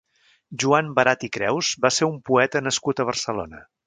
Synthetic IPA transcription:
ʒuambəɾat̪ikɾɛwzbaseɾumpuɛt̪ənəskut̪əβ̞ərsəlo̰nə

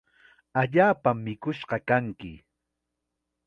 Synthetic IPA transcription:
aʎaːpamːɪkʊʃɢɑkaŋkɪ̰

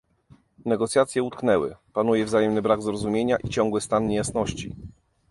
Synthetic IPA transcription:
nɛɡɔt̪sʲjat̪sʲjɛut̪̚knɛwɘ̰panujɛvzajɛmnɘbɾaɡzɾɔzumʲjeɲaʔit͡ɕɔ̃ŋɡwɘst̪anɲejasnɔɕt͡ɕḭ

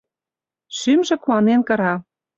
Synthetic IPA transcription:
ʃymʒĕkuɑnenkɤ̆ɾɑ

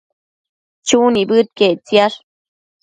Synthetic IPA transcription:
t͡ʃunibɨt̪̚ket͡sijaɾ

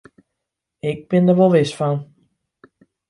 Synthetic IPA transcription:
ɪk̚bɪndərʋolˠʋɪsfɔn

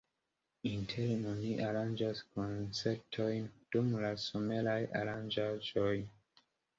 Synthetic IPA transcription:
intʰeɾnoniʔaɾand͡ʒasko̞nt͡se̞p̚tʰo̞jnd̥umlasome̞laja̰ɾand͡ʒad͡ʒo̞j

